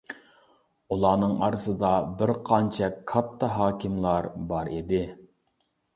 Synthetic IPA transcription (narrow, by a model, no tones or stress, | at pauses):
ulˠɑːnɨŋɑ̰ɾɨsɨd̪ɑbɪɾqʰɑnt͡ʃʰɛkʰɑp̚t̪ʰɑɦɑːkʲɪmlˠɑɾbɑɾid̪ɪ